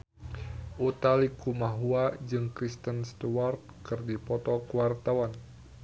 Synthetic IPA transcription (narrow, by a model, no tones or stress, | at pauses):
ʔut̪alikumaɦuad͡ʒɨŋkɾist̪ənst̪uart̪̚kɨrdipɔt̪ɔkəwart̪awan